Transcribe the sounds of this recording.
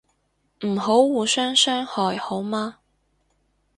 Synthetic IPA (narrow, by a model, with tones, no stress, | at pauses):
m̩˨˩ɦo˨˥wːuː˨˧sœː˥ŋsœː˥ŋhɔː˨jho˨˥wmaː˥